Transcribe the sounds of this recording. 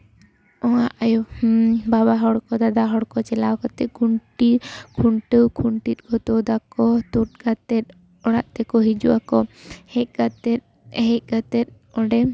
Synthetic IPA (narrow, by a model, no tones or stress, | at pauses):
ɔŋaʔajɔbaβaɦɔɽkɔd̪ad̪aɦɔɽkɔt͡ʃɛlakɔt̪ɛkuɳʈikʰuɳʈəwkʰuɳʈit̪̚ˀɡɔt̪ɔd̪akɔt̪ut̪̚ɡat̪ɛt̪̚ | ɔɽaʔt̪ɛkɔɦid͡ʒuʔakɔhɛk̚ɡat̪ɛ | ɦɛc̚ˀɡat̪ɛt̪̚ | ɔɖɛ